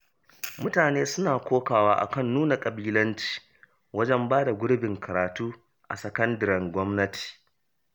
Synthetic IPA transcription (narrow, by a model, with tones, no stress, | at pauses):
mʊ˦taː˨neː˦sʊ˦naː˨kʷoː˦kaː˨waː˦ʔa̰˨kɐ˦˨nːuː˦na˨kʼɐ˨biː˦lɐ˦nt͡ʃi̥ː˨ | wɐ˦d͡ʒɛ˦mbaː˦da˨ɡʷʊ˦ɽɪ˦bɪ˨ŋkɐ˨ɾaː˨tuː˦ | ʔa̰˨sɐ˨kɐ˦ndɐ˨ɾɛ˨ŋɡʷɔ˦mnɐ˦tʰi̥ː˨